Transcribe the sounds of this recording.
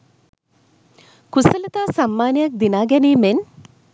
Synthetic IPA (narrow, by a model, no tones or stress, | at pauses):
kusələt̪aːsamːaːnjɐk̚d̪inaːɡɛniːmen